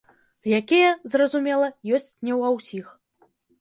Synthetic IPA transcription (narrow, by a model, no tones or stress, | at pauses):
jakʲɛjɐzrɐzumʲɛlˠɐjɔsʲt͡sʲnʲɛwawsʲix